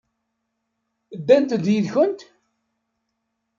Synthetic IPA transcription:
d̪ːænt̪ðjiðçʊnt̪

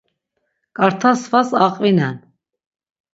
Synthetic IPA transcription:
kʼaɾt̪ʰasvasaqʼvinɛn

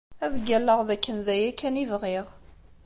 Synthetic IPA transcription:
æðɡælːəʁðækːənðæjækːænivʁiʁ

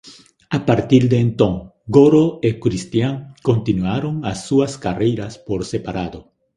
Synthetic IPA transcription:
apaɾt̪iɾd̪eːnt̪õŋ | ɡoɾoekɾist̪jaŋkont̪inwaɾoŋasːuaskarejɾaspoɾsepaɾaðo

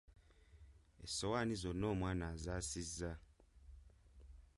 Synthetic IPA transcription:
ḛsowaːnizono̞ːmwaːnazasizːa

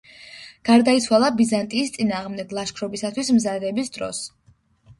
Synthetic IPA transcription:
ɡ̥aɾd̪ait̪sʰwalˠabizant̪ʼiːst̪sʼinaːʁmd̪ɛɡlˠaʃkʰɾɔbisat̪ʰwismzad̪ɛbisd̪ɾɔ̰s

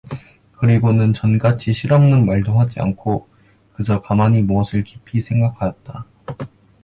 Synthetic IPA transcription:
kɯɾiɡonɯnt͡ɕʌnɡat͡ɕʰiɕʰiɾʌmnɯŋmaɭdoŋɦad͡ʑia̰nkʰo | kɯd͡ʑʌkamaɲimuʌsʰɯɭkipʰisʰe̞ŋɡakʰajʌt̚t͈a

